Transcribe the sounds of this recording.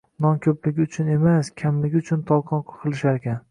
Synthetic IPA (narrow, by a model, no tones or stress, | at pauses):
nɒnkʲʰɵplɪɡʲɪʊt͡ʃʰʊne̞maskʲʰamlɪɡʲɪʊt͡ʃʰʊnt̪ʰɒlˠqʰɒnqɑ̥qʰɨlˠɪʃaɾekʲʰan